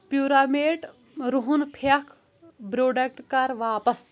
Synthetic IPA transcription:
pjuːɾaːmeːʈ | ɾuɦunpʰɐkʰ | bɾoːɖɐk̚ʈkɐɾʋaːpɐs

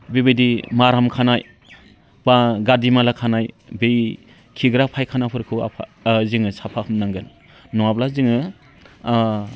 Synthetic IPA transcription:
bibedimaɾamkʰanaj | b̥aɡadimalakʰanajbej | kʰiɡɾapʰajkʰanapʰɯɾkʰɯa̰pʰzɯŋɯsapʰakʰɯmnaŋɡɯnː | ɔwablazɯŋɯ

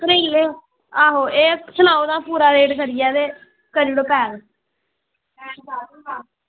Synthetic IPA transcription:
kəɾiːleː | aːɦoːeːsənaːoːd̪aːpuːɾaːɾeːɖkəɾɪjɛːd̪eː | kəɾiːɽoːpɛːl

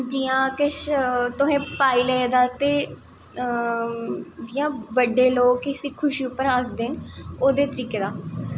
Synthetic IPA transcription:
d͡ʒiːãːkɪʃt̪ʊɦẽːpaːiːləed̪aːt̪eː | d͡ʒiːãːʋəɖːeːloːɡkɪsĩːkʰʊʃiːupːəɾasd̪eːnoːd̪eːt̪əɾiːkeːd̪aː

